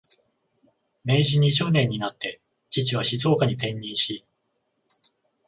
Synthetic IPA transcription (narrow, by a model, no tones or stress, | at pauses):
me̞ːʑiɲ̟it͡ɕo̞nẽ̞ɲ̟ːinat̪ːe̞ | t͡ɕit͡ɕiβaɕizo̞ːkaɲ̟it̪ẽ̞ɲːĩɰ̃ɕi